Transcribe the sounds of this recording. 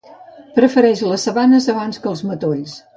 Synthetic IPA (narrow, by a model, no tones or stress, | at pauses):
pɾəfəɾɛʃləsːəβanəzəβanskəlˠzmət̪oʎs